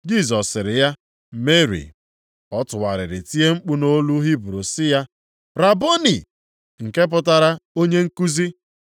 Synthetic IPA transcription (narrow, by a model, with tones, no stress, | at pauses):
d͡ʒi˦z̬ɔ˨sɪ˨ɾɪ˨ja˦ | me˦ɾḭ˨ | ɔ˦tʊ˨wa˨ɾɪ̰˨ɾɪ˨ti˦e˦ŋ͡m̩˦k͡pu˦no˦lu˦ɦi˦bɾo˨sɪ˦ja˦ | ɾa˨bo˦ni˨ | ŋ̩˨ke˦p̬ʊ˨ta˨ɾa˦o˦ɲe˦ŋ̩˦ku˦zi˦